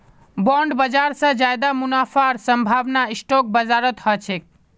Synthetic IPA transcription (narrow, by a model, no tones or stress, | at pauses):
bɔɳɖbəd͡ʒaɾsə̃d͡ʒajd̪amunafʰaɾsəmbʱaːʋnaisʈok̚bəzaɾət̪hɔt͡ʃʰek̚